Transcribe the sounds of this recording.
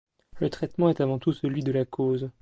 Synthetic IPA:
lət̪χɛt̪mɑ̃ɛt̪avɑ̃t̪usəlɥid̪əlakʰoz

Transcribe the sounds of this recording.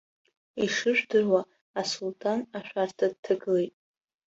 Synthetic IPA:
iʂɨʒᶣdɨrwa | asultʼʰanaʃᶣʷartʰad̚tʰɨɡɨlejtʼ

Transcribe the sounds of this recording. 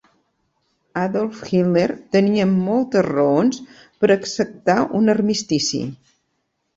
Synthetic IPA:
aðɔlˠfxilneɾt̪əniəmːɔlˠt̪əzrəons | pəɾəksək̚t̪aʔunərmist̪isḭ

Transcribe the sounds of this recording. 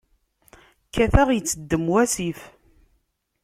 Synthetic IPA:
kːæθæʁjət͡sːəd̪ːəmwæsif

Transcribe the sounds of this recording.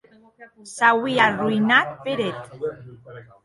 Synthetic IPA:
sawiarujnat̪̚peɾet̪

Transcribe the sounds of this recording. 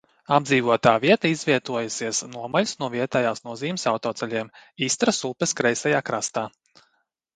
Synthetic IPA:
abd̪ziːvuɔt̪aːviɛt̪aizvʲiɛt̪uɔjusiɛsnuɔmalʲusnuɔviɛt̪ajaːsnuɔziːmsawt̪ɔːt̪sɛʎʲiɛmiːst̪ɾasulˠpɛskɾɛjsajaːkɾast̪aː

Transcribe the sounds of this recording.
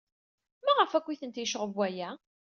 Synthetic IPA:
mæʁəfækʷːiθənt̪jəʃʁəvæjæ

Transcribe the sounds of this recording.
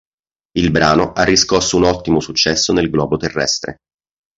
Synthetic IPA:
ilbɾaːnoʔarːiskɔsːounɔt̪ːimosut͡ʃːɛsːonelɡlɔːbot̪erːɛ̰st̪ɾḛ

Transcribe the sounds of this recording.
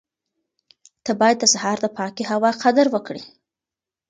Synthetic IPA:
t̪əbɑjad̪̚ːəsaɦɑɾd̪əpʰɑkiɦawɑqad̪əɾwəkɽi

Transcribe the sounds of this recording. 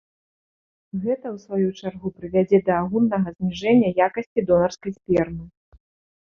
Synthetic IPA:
ɣɛt̪ɐwsvajut͡ʂarɣupɾɨvʲad͡zʲɛd̪ɐːɣulnɐɣɐzʲmʲiʐɛnʲːɐjakɐsʲt͡sʲid̪ɔnɐrskɐjsʲpʲɛrnɨ

